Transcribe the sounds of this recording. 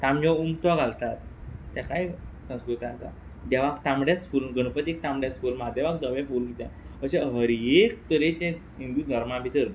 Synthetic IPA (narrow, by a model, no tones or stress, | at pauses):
t̪amjɔumt̪ʋaɡʱalt̪at̪̚ːjakaisə̃w̃skɾut̪ãt͡sa̰ | d̪aʋakt̪ãmɽjat͡skulnɡənpət̪ik̚t̪ãmɽjaskulmad̪aʋak̚d̪əʋɛfulkit̪ã̰əɕeɦəɾek̚t̪əɾet͡ɕɛ̃ | ĩnd̪unəɾmãbʱit̪əɾ